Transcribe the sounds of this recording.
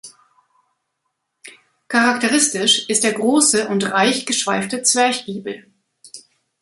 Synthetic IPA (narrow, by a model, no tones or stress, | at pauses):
kʰaʁaktəʁɪstɪʃɪstd̥eːɐɡʁoːsəʔʊntʁaɪçɡ̥əʃv̥aɪftət͡sv̥ɛɐçɡ̥iːbl̩